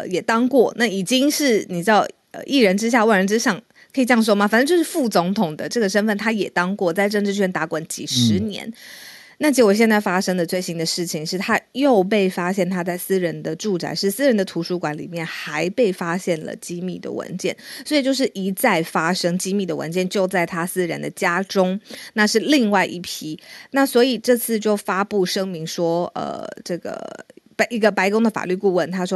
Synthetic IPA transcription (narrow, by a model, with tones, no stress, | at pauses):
ə˧jɛ˨˩t̪ɑ˥ŋkwɔ˥˩na˥˩i˨˩t͡ɕi˥ŋʂɻ̩˥˩ni˨˩ʈ͡ʂ̩˥˩dɑ˧˩ | ə̰˧ʔi˥˩ɻə˧˥nʈ͡ʂɻ̩˥ɕ̬ja˥˧wa˥˩nɻə˧˥nʈ͡ʂɻ̩˥ɕɑ˥˩ŋ | kʰi˨˩t͡ɕjɑ˥˧˩ŋʂ̬wɔ˥ma˨˩fa˨nə˥˧t͡ɕjo˥˧ʊʂɻ̩˥˧fu˥˩t͡sʊ˧˥ŋt̪ʰʊ˨˩ŋd̪ə˦ʈ͡ʂɤ˥˩ɡə˩ʂə˥nfə˥˩nt̪ʰa˥jɛ˨˩t̪ɑ˥ŋkwɔ˥˩t͡sa˥˧ɪʈ͡ʂɤ˥˧ŋʈ͡ʂɻ̩˥˧˩t͡ɕʰɛ˥nt̪a˧˥kwa˨˩nt͡ɕḭ˨˩ʂɻ̩˧˦njɛ̰˧˥n | na˥˩t͡ɕʰi˧˥wɕjɛ˥˧nt͡sa˥˩ɪfa˥ʂɤ˥ŋd̪ə˨t͡swe˥˩ɪɕi˥nd̪ə˨ʂɻ̩˥˩t͡ɕʰi˨˩ŋʂɻ̩˥˩t̪ʰa˦˥jo˥˧ʊp̬e˥˩ɪfa˥ɕjɛ˥˩nt̪ʰa˥t͡sa˥˩ɪsɹ̩˥ɻə˧˥nd̪ə˧ʈ͡ʂu˥˩t͡sa̰˧˥ɪʂɻ̩˥˩sɹ̩˥ɻə˧˥nd̪ə˨t̪ʰu˧˥ʂu˧˥kwa˧˥˦nlḭ˨˩mjɛ˥˩nxa˧˥ɪpe˥˩ɪfa˥ɕjɛ˥˩nlə̰˩t͡ɕi˥mi˥˩d̪ə̰˩wə̰˧˥nt͡ɕjɛ˥˩nswɔ˧˥i˨˩t͡ɕjo˥˧ʊʂ̬ɻ̩˥˩ʔi˧˥t͡sa˥˩ɪfa˥ʂɤ˥ŋt͡ɕi˥mi˥˩d̪ə˩wə̰˧˦nt͡ɕjɛ˥˧˨nt͡ɕjo˥˧ʊt͡sa˥˩ɪt̪ʰa˥sɹ̩˥ɻə˧nd̪ə˨t͡ɕja˥ʈ͡ʂʊ˥ŋna˥˧ʂɻ̩˥˧li˥˧ŋwa˥˧ɪʔi˥˩pʰi˥na˥˩swɔ˧˥i˨˩ʈ͡ʂɤ˥˧t͡sʰɹ̩˥˧t͡ɕjo˥˩ʊfa˥pu˥˩ʂɤ˥ŋmi˧˥ŋʂwɔ˥ə̰˨˩ʈ͡ʂɤ˥˩ɡə̰˩pʔi˧˥ɡə˨pa˥ɪkʊ˥ŋd̪ə˨˩fa̰˨˩ly˥˧ku˥˧wə˥˩nt̪ʰa˥ʂwɔ˥